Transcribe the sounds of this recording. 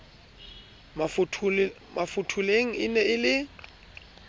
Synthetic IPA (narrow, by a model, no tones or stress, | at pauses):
mafʰ | mʔafʊtʰuleŋ̩ɪnɛɪlɪ